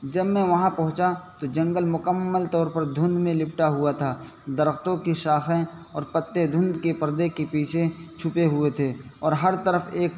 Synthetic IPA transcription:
d͡ʒɐbmẽʋɐɦãpɐ̃ɦʊ̃t͡ʃat̪od͡ʒɐ̃ŋɡəlmʊkəmːəlt̪ɔːɾpɐɾd̪ʱʊ̃nd̪mẽlɪpʈaɦʊat̪ʰaː | d̪ɐɾəxt̪õkiʃaːxẽɔːɾpɐt̪ːed̪ʱʊ̃nd̪kepɐɾd̪ekepiːt͡ʃʰet͡ʃʰʊpeɦʊet̪ʰeːɔːɾɦɐɾt̪əɾəfʰeːk

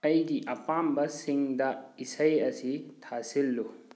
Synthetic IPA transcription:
ɐjɡiʔɐpambɐsiŋdɐisɐjɐsitʰasilːu

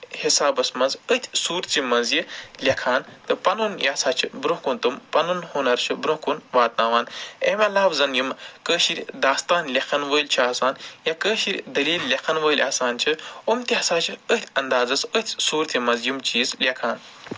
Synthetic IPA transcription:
hisaːbɐsmɐnzət̪ʲʰsuːɾt̪t͡simɐnzjilʲɐkʰaːnt̪ɨpɐnunjaːsaːt͡ʃʰibɾũɦkunt̪ɨmpɐnunhuːnɐɾt͡ʃʰɨbɾũkunʋaːt̪̚naːʋaːneːmaːlaːwzɐnjumkəːʃiɾʲd̪aːst̪aːnlʲɐkʰɐnʋəːlʲt͡ʃʰaːsaːnjakəːʃiɾʲd̪ɐliːlːʲɐkʰɐnʋəːlʲaːsaːnt͡ʃʰɨumt̪ʲiɐsaːt͡ʃʰiət̪ʲʰɐnd̪aːzɐsət̪ʰʲsuːɾt̪ʰimɐnzjumt͡ʃiːzlʲɐkʰaːn

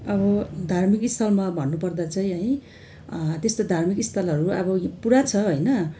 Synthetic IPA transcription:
ʌbʌd̪ʱarmikist̪ʰʌlmabʱʌnːupʌrd̪at͡saĩɦʌj̃ | t̪est̪od̪ʱarmikist̪ʰʌlʌɾuʌbʌpuɾat͡sʰʌɦojnʌ

